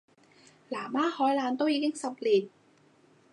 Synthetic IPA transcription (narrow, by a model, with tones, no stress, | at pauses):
laː˨˩˦maː˥˩hɔː˨˦˥jlaː˧˥nt̪o˥˩˨jiː˧˥ki˧˥˩ŋsa˧p̚li˨˩t̪̚